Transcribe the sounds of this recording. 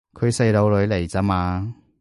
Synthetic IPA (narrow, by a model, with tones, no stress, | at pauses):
kʰɵ˨˧ɥse˨˧jlo˨˧wlɵ˨˧˥ɥle˨˩jt͡sɐ˧˥maː˨˧